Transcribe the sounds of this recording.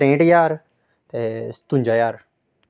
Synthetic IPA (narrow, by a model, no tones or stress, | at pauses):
ẽːɖjaːɾ | t̪eːst̪ʊ̃ɲd͡ʒajaːɾ